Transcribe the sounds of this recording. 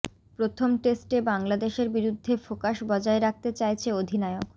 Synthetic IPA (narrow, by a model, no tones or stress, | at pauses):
pɾot̪ʰomʈesʈebaŋlad̪eʃeɾbiɾud̪ʱːefokaʃbɔd͡ʑaeɾak̚t̪et͡ɕajt͡ɕʰeod̪ʱinaeok